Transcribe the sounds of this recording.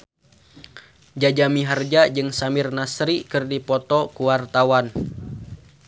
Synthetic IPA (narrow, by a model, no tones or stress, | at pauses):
d͡ʒad͡ʒamiɦard͡ʒad͡ʒɨŋsamɪrnasɾikɨrdipɔt̪ɔkuwart̪awan